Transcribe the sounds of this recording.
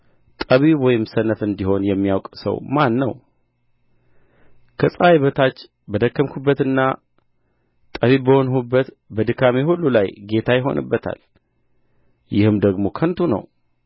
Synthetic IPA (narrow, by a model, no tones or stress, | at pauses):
t̪ʼəβiwɔjɪmsənəfɨnd̪iho̞njɛmːijawkʼsə̰wmanːə̰w | kʰəsʼajβət̪ʰat͡ʃː | bəd̪əkːəmkʰubːət̪ɨnːa | t̪ʼəβibəhonɦubːət̪ | bəd̪ɨkʰːamehulːulajɡe̞t̪ʰajɪɦo̞̰nɨ̰bːət̪ʰa̰l | jɪhɨmd̪əɡmo̞kʰənt̪ʰunə̰w